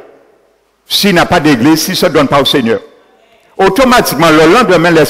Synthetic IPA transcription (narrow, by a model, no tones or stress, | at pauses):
sinapadeɡlesisɔdɔ̃npaoseɲœʁ | otomatik̚mãlɔlãdɛmɛ̃lɛ